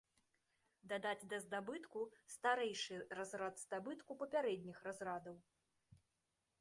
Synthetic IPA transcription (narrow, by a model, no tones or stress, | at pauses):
d̪ad̪ad͡zʲd̪ɐzd̪abɨt̪kust̪aɾɛjʂɨrazɾad̪z̥d̪abɨt̪kupɐpʲaɾɛd̪ʲnʲixrazɾad̪ɐw